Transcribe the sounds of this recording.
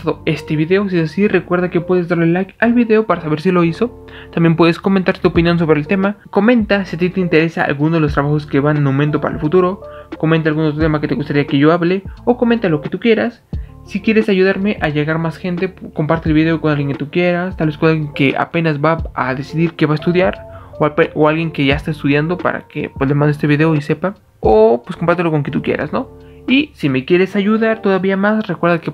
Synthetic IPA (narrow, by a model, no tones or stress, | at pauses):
aðoe̞st̪e̞βiðe̞os̬iesasire̞kwe̞ɾðake̞pwe̞ðe̞zd̪aɾlelajkalβiðe̞o̞paɾasaβe̞ɾsilo̞iso̞ | t̪ambje̞mpwe̞ðe̞sko̞ment̪aɾt̪uopinjo̞ns̬o̞βɾe̞ːlt̪e̞mako̞mẽ̞nt̪asiat̪̬it̪e̞int̪e̞ɾe̞saa̰lɣunoðeos̬t̪ɾaβaxo̞ske̞βanːowment̪̬o̞pa̰ɾaḛlfut̪uɾo̞ko̞ment̪̬alɣunot̪ɾot̪emaket̪e̞ɣust̪aɾiake̞ʝo̞aβle̞okomẽ̞nt̪alo̞ke̞t̪ukje̞ɾasː | ikje̞ɾe̞saʝuðaɾme̞ʔaʝe̞ɣaɾmasxe̞nt̪e̞kompaɾt̪elβiðe̞o̞ko̞nalɣje̞ŋket̪ukje̞ɾast̪alβesko̞naljeŋkeʔa̰pe̞nazbaaðe̞siðiɾke̞βaest̪uðjaɾoaoalɣje̞ŋke̞ʝaest̪aest̪uðjand̪o̞pa̰ɾa̰ke̞̰pweslemãnd̪eest̪eβiðe̞o̞ise̞pa | opweskompaɾt̪elo̞ko̞ŋket̪ukjḛɾa̰sno̞ | isime̞kje̞ɾe̞saʝuðaɾt̪o̞ðaβiamasrekwe̞ɾðake